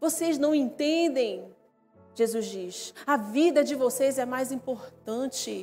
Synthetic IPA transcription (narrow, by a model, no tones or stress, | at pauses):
voseznɐ̃w̃ẽnt̪ẽd̪ẽj̃ | ʒezuzd͡ʒiʃɐvid̪ɐd͡ʒɪvosejzɛmajzĩpoɾt̪ɐ̃t͡ʃɪ